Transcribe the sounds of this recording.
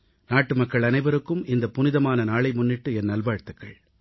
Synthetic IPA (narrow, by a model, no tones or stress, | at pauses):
naːʈːɯmɐkːɐɭɐnɐɪʋɐɾɯkːɯmɪnd̪ɐpʊnɪðɐmaːnɐnaːɭɐɪmʊnːɪʈːɯɛnːɐlbaːɻt̪ɯkːɐɭ